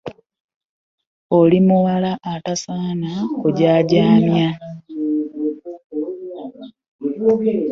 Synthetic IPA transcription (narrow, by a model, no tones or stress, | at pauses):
olimuwalaʔːtasaːnakoɟaːɟaːmja